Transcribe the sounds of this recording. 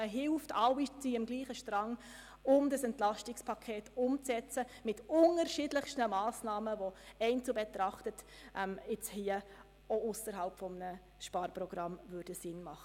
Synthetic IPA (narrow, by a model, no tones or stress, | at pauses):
əɦɪlftɑlit͡siɪmɡliːχəʃtɾɑŋ | ʊmdəsɛntlɑʃtɪkspʰɑkʰeːtʊmt͡sɛt͡səmɪtʊnəɾʃɪdləχʃtəmɑːsnɑːməvoɛɪnt͡subɛtɾɑχtətʔɛmɪt͡shiə | oʊsəɾɦɑlpfɔmənə | ʃpɑːɾprɔɡ̥ɾɑmvʉɾdəsɪnmɑχə